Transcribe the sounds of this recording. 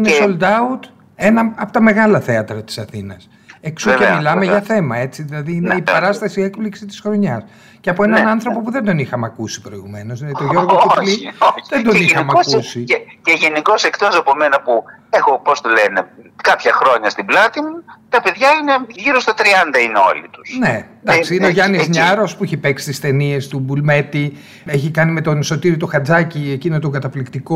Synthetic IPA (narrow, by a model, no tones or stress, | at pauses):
inesold̪ɐut̪ | e̞nɐɐpot̪ɐme̞ɣɐlɐθe̞ɐt̪ɾɐt̪i̥sɐθinɐs | eksuemilɐmeʝɐθe̞mɐe̞t͡siðilɐðiineipɐɾɐst̪ɐsie̞kpliksit̪i̥sxɾo̞ɲɐs | ceɐpoenɐnɐnθɾo̞po̞puðend̪o̞nixɐmɐkusi̥pɾo̞iɣume̞nozleðit̪oʝo̞ɾɣoolioðed̪o̞nixɐmɐkusiceʝe̞niko̞se̞kt̪o̞sɐpo̞menɐpuexo̞post̪olene̞kɐpçɐxɾo̞ɲɐst̪iblɐt̪imut̪ɐpe̞ðʝɐine̞ʝiɾo̞st̪ɐt̪ɾiɐnd̪ɐineo̞̰lḭt̪u̥sne̞d̪ɐksiineoʝɐnizɲɐɾo̞spuiçepe̞ksi̥t̪ist̪e̞nie̞st̪ubulme̞t̪i | eçikɐnime̞t̪onso̞t̪iɾiot̪oxɐd͡zɐciecinot̪oɡɐt̪ɐflikt̪iko